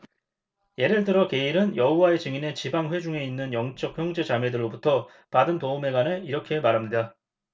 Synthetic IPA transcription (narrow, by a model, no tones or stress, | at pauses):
je̞ɾɯɭt̬ɯɾʌke̞iɾɯnjʌɦuwae̞t͡ɕɯŋine̞t͡ɕibaŋɸwe̞d͡ʑuŋe̞inːɯnjʌŋt͡ɕ͈ʌk̚çjʌŋd͡ʑe̞t͡ɕamɥedɯɭːobutʰʌ | padɯntoume̞ɡaneiɾʌkʰe̞maɾɦamɲida